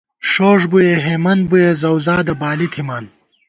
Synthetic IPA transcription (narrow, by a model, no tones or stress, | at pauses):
ʂoːʐbujeɦemɐnbujezɐwzaːd̪ɐbaːlit̪ʰimaːn